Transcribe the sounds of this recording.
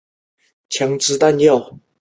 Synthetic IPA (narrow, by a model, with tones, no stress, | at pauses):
t͡ɕʰjɑ˨˧˥ŋʈ͡ʂɹ̩˧˥t̪a˥˧njɑ˥˩ʊ